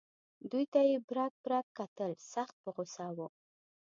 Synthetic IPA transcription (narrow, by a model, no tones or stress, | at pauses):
d̪ujt̪ajebɾɑk̚bɾɑkkːat̪əlsaxt̪̚pəɣosɑwu